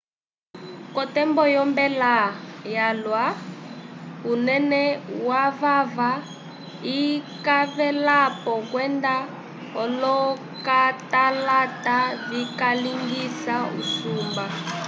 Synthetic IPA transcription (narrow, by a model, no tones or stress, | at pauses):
kɔtɛmbɔjɔmbɛlajalwa | unɛnɛwavava | ikavɛlapɔkwɛnda | ɔlɔ | katalatavikaliŋɡisaṵsuːmba